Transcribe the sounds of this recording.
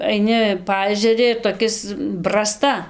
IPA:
ɐɪˈnʲɪ ˈpɐɛʒʲɛrʲɪ ɪr toːˈkʲɪs brɐˈstɐ

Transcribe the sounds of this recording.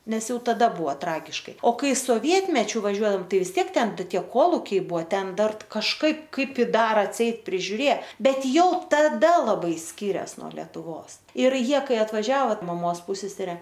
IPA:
ˈnʲɛs ˈjɛʊ tɐˈdɐ ˈbʊʋoː ˈtrɑːɡʲɪʃkɐɪ oː ˈkɐɪ soːˈʋʲiɛtʲmʲɛt͡ʃʲʊ ʋɐˈʒʲuɔdɐoːm ˈtɐɪ ʋʲɪs ˈtʲiɛk ˈtʲɛn ˈtʲiɛ ˈkoːlˠʊkʲɛɪ ˈbʊʋoː ˈtʲɛn ˈdɐr kɐʃˈkɐɪp ˈkɐɪp ˈɪ ˈdɐr ɐtʲˈsʲɛɪt pʲrʲɪʒʲʊˈrʲeː ˈbʲɛt ˈjɛʊ tɐˈdɐ lˠɐˈbɐɪ ˈsʲkʲiːrʲɛs nuɔ lʲɛtʊˈʋoːs ˈɪr ˈjiɛ ˈkɐɪ ɐtʋɐˈʒʲæːʋoː mɐˈmoːs ˈpʊsʲɛsʲɛrʲɛ

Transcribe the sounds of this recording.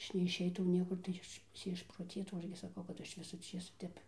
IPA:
ˈɐʃ nʲɛɪʃʲˈɛɪtɐʊ ˈnʲiɛkʊr tɐɪ ˈɐʃ tʲɪ ɪʃproːˈtʲeːtɐʊ nʊ ˈɐʃ ɡʲɪ sɐˈkɐʊ kɐt ˈɐʃ ˈʋʲɪsʊ ˈt͡ʃʲeːsʊ ˈtʲɛp

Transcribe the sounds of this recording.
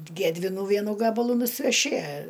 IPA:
ˈɡʲæːdʲʋʲɪnuː ˈʋʲiɛnuː ˈɡɑːbɐlˠuː nʊsʲɪʋʲɛˈʃʲɪ

